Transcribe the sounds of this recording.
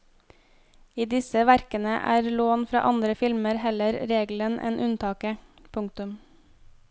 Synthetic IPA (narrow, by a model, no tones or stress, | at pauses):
iːd̪ɪsəʋæɾkənə̰ʔæ̰ːɾloːnfɾɑ̰ːʔɑnd̪ɾəfɪlməɾhɛləɾɾeːɡl̩ənʔḛːnʔʉnt̪ʰɑːkəpʰʊŋk̚t̪ʉm